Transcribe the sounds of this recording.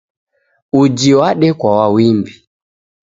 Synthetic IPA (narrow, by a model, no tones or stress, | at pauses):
ud͡ʒiwaɗɛkwawawimbi